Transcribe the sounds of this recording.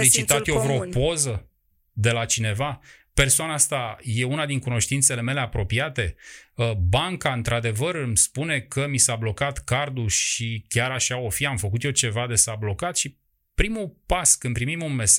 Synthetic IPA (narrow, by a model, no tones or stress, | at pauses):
lit͡ʃit̪at̪jovɾopo̞zə | d̪e̞lat͡ʃine̞vape̞rsoanaast̪aje̞unad̪iŋkuno̞ʃt̪int̪sele̞me̞le̞apɾo̞piat̪e̞əbaŋkaɨnt̪ɾad̪e̞vərɨmspune̞kəmisablo̞kat̪kard̪uʃikʲaɾaʃao̞fiamfəkut̪jo̞t͡ʃe̞vad̪e̞sablo̞kat̪ʃi | pɾimupaskɨnpɾimimunme̞s